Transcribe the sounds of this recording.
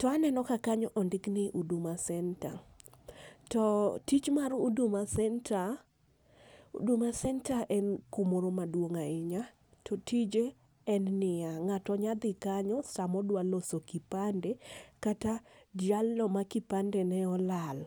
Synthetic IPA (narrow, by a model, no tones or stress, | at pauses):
tɔanɛnɔkakaɲɔʔɔndɪknɪʔudumasɛnta | tɔtit͡ʃmaɾudumasɛntʰa | ṵdumasɛntaʔɛnkumoɾomadwoŋaɪɲa | tʰɔtʰid͡ʒe | ɛnːɪaŋatɔɲad̪ɪkaɲɔsamɔdwalosokipandekatad͡ʒalːɔmakipandɛnɛɔlal